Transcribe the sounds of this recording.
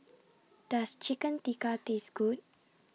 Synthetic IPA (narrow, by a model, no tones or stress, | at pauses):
d̥ast͡ʃikə̃nt̪ikat̪esɡut̚